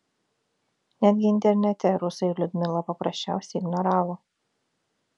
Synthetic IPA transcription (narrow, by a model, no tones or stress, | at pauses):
nʲæːd̪ʲɡʲɪɪnʲt̪ʲɛɾʲnʲɛt̪ʲɛɾʊsɐɪlʲʊd̪ʲmʲɪlˠɐpɐpɾɐsʲt͡ʃʲæˑʊsʲɛɪɡnɔɾɑːʋo